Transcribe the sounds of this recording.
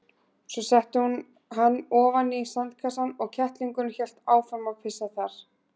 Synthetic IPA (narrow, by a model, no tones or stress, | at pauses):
sɔsɛht̪ɪhun | ɦanːɔːvanisant̪kʰasanɔɣcʰɛht̪liŋkʏnçɛl̥t̪aːwfɾaɾmawpʰɪsaθaɾ̥